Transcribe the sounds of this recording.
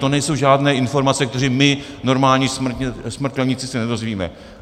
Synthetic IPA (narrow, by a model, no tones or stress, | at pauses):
t̪o̞nɛjso̞wʒaːdnɛːɪnfo̞ɾmat͡sɛkt̪ɛriːmɪ | no̞ɾmaːlɲiːsmt̪ɛsmr̩t̪klɛɲɪt͡sɪsɛnɛdo̞zviːmɛ̰